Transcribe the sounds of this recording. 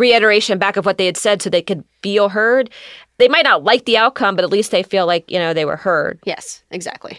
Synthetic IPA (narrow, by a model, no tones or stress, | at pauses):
ɹiɪɾə˞eɪʃɨ̃nbækʌvwʌt̪̚ðeɪɨd̥sɛd̥soʊðeɪkɨdfilˠɦɜ˞d̚ðeɪmaɪtⁿnətˡlaɪk̚ðiaʊt̚kʰʌ̃mbʌɾɨtˡlist̪̚ðeɪfilaɪkjɨ̰ñoʊðeɪwə̰˞hɜ˞d̥̚jɛ̰sʔɨɡzæ̰k̚tʰˡlḭ